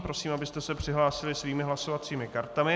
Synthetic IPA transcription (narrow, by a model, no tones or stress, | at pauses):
pɾo̞siːmʔabɪst̪ɛsɛpr̝̥ɪɦlaːsɪlɪsviːmɪɦlaso̞vat͡siːmɪkaɾt̪amɪ